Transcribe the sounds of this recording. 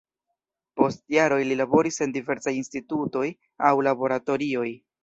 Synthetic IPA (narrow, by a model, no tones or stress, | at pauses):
po̞stjaɾo̞jlilabo̞ɾise̞ndive̞ɾsajinstituto̞j | awlabo̞ɾato̞ɾio̞j